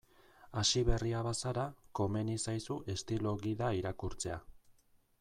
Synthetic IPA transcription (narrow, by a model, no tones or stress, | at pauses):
aʃiβe̞riaβasaɾako̞me̞nisajsuʔe̞st̪ilo̞ɣiðaiɾakuɾt͡se̞a